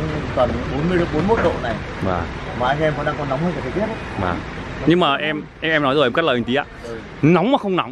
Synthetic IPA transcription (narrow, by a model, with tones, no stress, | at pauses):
kə˨˩n˨˦ɓo˨˦nmɨ˧əjɓo˨˦nmo˦˥t̚ɗo̰˧˨na˨˩jva̰ː˨˩maː˨˩ʔa˧ɛ˧mvə˨˧˦ɗaː˧kɔ˨˧˦nːa˨˦wŋ͡mhəː˧nka˨˩tʰt̪i˦˥ət̚a˨˧˦va̰ː˨˩ɲɨ˧ŋmaː˨˩ʔɛ˧mʔɛ˧mʔɛ˧mnɔ˨˦jzo˨˩ʔɛ˧mka˦˥ləː˨˩˨ŋt̪i˨˦ʔaː˧˩ | na˨˦wŋ͡mmaː˨˩xə˧wŋ͡mna˨˦wŋ͡m